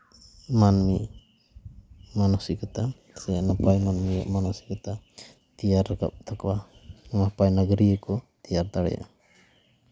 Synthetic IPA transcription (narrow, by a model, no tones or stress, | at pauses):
manmi | manusikat̪a | sɛnapajmanmija̰ʔmanɔsi̥kat̪a | t̪ijaɾaka̰p̚t̪ʰakwamapajnaɡɾiəkɔt̪ijaɾt̪aɽɛ̰ja̰ʔ